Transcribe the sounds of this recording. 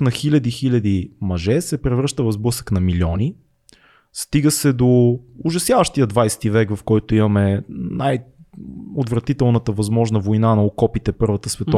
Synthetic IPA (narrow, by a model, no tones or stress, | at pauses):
nɐxilʲɐd̪ixilʲɐd̪imɐʒɛsɛpɾɛvɾɤʃt̪əvɐzblˠɤsə̥knɐmilʲɔni | st̪iɡəsɛd̪oʊʒɐsjavəʃt̪ijəd̪vajst̪ivɛkvɐfkɔjt̪ʊimɐmɛnaj | od̪vɾɐt̪it̪ɛlˠnət̪əvɐzmɔʒnəvojnanɐokɔpit̪ɛpɤɾvɐt̪əsvɛt̪ɔ